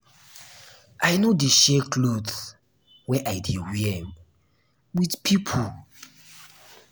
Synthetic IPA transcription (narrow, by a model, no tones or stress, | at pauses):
ʔajnodeʃɛkʰlod | wɛʔajdiwɛ | widpʰipʰo